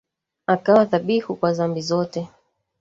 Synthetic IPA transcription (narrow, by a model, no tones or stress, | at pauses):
akawaθaɓihukwazambizɔtɛ